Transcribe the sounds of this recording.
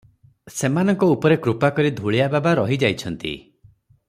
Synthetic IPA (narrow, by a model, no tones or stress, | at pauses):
semanɔŋkɔupɔɾekɾupakɔɾid̪ʱuɭijababaɾɔɦid͡ʒajt͡ʃʰɔnt̪ḭ